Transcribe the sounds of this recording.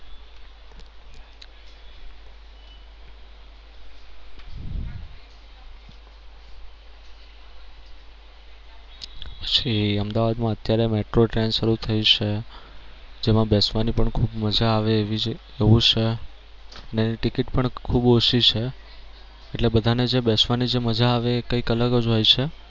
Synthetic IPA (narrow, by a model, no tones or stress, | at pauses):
pə̥t͡ʃʰiəmd̪aʋad̪mãət̪jaɾemeʈɾoʈɾenʃəɾut̪ʰəit͡ʃʰe | d͡ʒemãbesʋanipəɳkʰubməd͡ʒaːʋeʋi | eʋũt͡ʃʰe | əneeniʈikiʈpəɳkʰuboʃit͡ʃʰe | eʈlebəd̪ʱaned͡ʒebesʋanid͡ʒeməd͡ʒaːʋeːkəikələɡəd͡ʒɦojt͡ʃʰe